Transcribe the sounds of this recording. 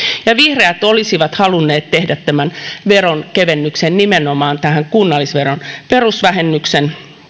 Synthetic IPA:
jɑʋihreæt̪olisiʋɑt̪hɑlunːeːt̪t̪ehdæt̪tæmænʋeronkeʋenːyksennimenomɑːnt̪æhæŋkunːɑlːisʋeronperusʋæhenːyksen

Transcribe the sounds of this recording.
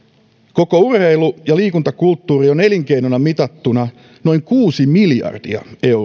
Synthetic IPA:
ko̞kourheilujɑliːkunt̪ɑkult̪ːuːrioneliŋkejnonɑmit̪ɑt̪ːunɑ | no̞iŋkuːsimiljɑ̰rd̥ḭɑ̰e̞

